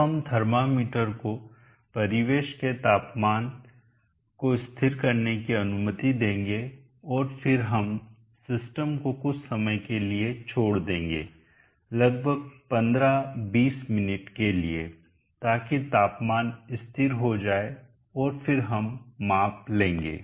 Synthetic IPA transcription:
ɦɐmd̪ʱɐɾmamiːʈəɾko | pɐɾɪʋeːʃket̪aːpmaːn | koɪst̪ʰɪɾkɐɾnekiɐnʊmət̪id̪ẽːŋɡe | ɔːɾfɪɾɦɐm | sɪsʈəmkokʊt͡ʃʰsɐməjkeliet͡ʃʰoːɽd̪ẽːŋɡḛː | lɐɡ̚bʱəɡ̚pɐ̃nd̪ɾabiːsmɪnɪʈkelie | t̪aːkit̪aːpmaːnɪst̪ʰɪɾɦod͡ʒaːe | ɔːɾfɪɾɦɐmːaːplẽːŋɡḛː

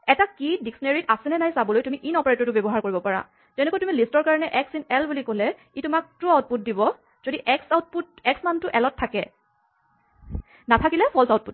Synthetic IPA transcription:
ɛtakidiksɔneɹitasɛnɛnajsabɔlojtumiʔinɔpaɹajtɔtʊbebɔɦaɹkoɹibɔpaɹa̰ | zɛnɛkɔjtumilistɔɹkaɹɔnɛʔɛksinɛlbulikolɛ | itʊmak̚tuawt̚put̚dibɔ | z̥odiʔɛksawt̚put̚ɛksmantʊʔɛlɔtʰːakɛ | natʰakilɛpʰɔlsaʊt̚put

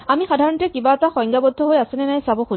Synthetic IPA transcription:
amixadʱaɹɔntɛkibaɛtaxɔ̃jŋɡabɔd̪ʱːɔɦojasɛnɛnajsabɔxu

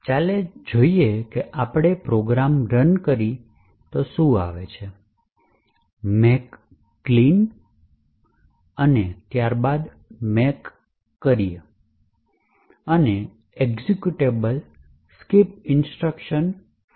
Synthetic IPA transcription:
t͡ʃaled͡ʒoiekeʔapɽ̃epɾoɡɾamɾənkəɾi | t̪oʃũa̰ʋet͡ʃʰe | mekː | lin | ənet̪jaɾbad̪ | mekː | əɾije | əne | eɡzikjuʈebəl | skip̚ɪnsʈɾəkʃən

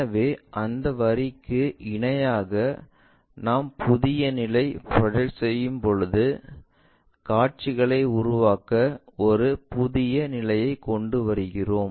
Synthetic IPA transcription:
ɐʋeːʔɐnd̪ɐʋɐɾɪkːɯɪɳɐjaːɣɐ | naːmpʰʊðɪjɐnɪlɐɪpɐɽɐɻsɛjːɯmpɔɻɯðɯ | kaːʈ̚t͡ʃɪɣɐɭɐɪʊɾʊʋaːkɐɔɾɯpʊðɪjɐnɪlɐjɐɪkːɔɳɖɯʋɐɾɯɣɪroːm

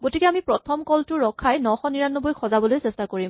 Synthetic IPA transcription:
ɡotikɛamipɹɔtʰɔmkɔltʊɹɔkʰːajnɔxɔniɹanːɔbojxʰɔzabɔlojsɛstakoɹim

